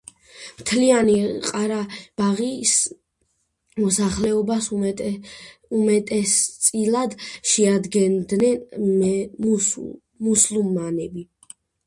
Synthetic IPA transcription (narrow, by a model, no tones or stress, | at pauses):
mt̪ʰlianiqʼaɾab̥aʁis | mɔsaχlɛɔbas | umɛt̪ʼɛst̪sʼilˠad̪ʃɛad̪ɡɛnd̪nɛn | muslˠumːanɛbi